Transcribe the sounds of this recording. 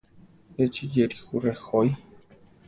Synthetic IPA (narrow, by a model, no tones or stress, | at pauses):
et͡ʃid͡ʒeɾixurexoj